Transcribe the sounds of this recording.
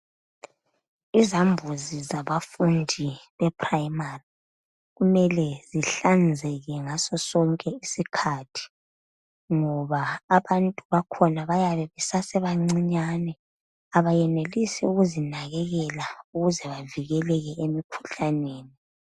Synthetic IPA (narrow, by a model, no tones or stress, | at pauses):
izambʱuzizaβafundʱiβɛpʰrajmari | ɣumɛlɛziɬand͡zʱɛɣɛŋasɔsɔŋkʼɛisikʰatʰi̥ | ŋɔβaːβantʼuβakʰɔnaβajaβɛβɛsasɛβaŋ͡ǀiɲaːnɛ | aβajɛnelisɛuɣuzinaɣɛɣɛlauɣuzɛβaviɣɛlɛɣɛemikʰu̥ɬaneːni